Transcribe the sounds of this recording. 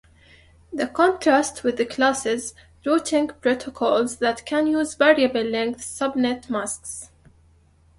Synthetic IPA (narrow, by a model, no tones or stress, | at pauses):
ðəkɔ̃ntɹastwɪðːəkʰlasɪz | ɹoːtʰɪ̃ŋɡpɾotʰɔkʰɔlzðætkʰæ̃njuːzvɛɹiəbəlːɛ̃ŋk̚θsʌbnɛtmasks